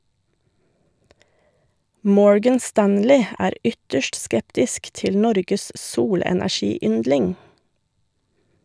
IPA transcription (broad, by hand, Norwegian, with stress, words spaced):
ˈmɔɹɡən ˈstænlɪ ˈæːɾ ˈʏtəʃʈ ˈskɛptɪsk ˈtɪl ˈnɔɾɡəs ˈsuːlɛnæˌʃiːˌʏndlɪŋ